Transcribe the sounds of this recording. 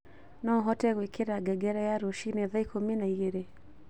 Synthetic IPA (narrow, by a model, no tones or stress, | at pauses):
nɔɦɔtɛɣwekʰeɾaɡɛɡɛɾɛjaɾoʃineðaikʰominaiɣeɾe